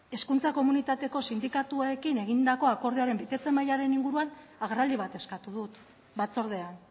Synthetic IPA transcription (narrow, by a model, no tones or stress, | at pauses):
e̞skunt͡sako̞munit̪at̪e̞ko̞sind̪ikat̪uaekine̞ɣind̪ako̞ako̞ɾðiaɾe̞mbit̪e̞t͡se̞majaɾe̞niŋɡuɾuanaɣrald̪iβat̪e̞skat̪uðut̪ | bat͡so̞ɾð̞e̞an